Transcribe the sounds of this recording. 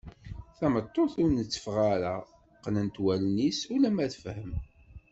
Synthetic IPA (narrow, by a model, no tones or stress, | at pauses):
θæmət̪ˤːoθʊɾnət͡sːə̥fʁaɾa | qnənt̪wælnisulæmæθfhəm